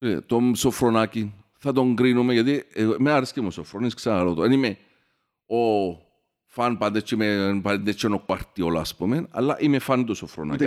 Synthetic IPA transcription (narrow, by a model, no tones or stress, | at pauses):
ḛt̪omsofɾonakin | θat̪oŋɡɾinumeked̪imeaɾiskimosofɾonisksaaɾot̪oenime | o | fanpad̪et͡ʃːimenpad̪et͡ʃːenokwaɾt̪iola̰spomena̰lːa̰ʔimefant̪osofɾo̰na̰k